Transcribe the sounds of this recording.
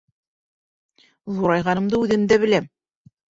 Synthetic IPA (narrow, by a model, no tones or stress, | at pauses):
ðuɾɑjʁɑnɤ̆md̪ɤʉðɘ̆md̪æβɘ̆læm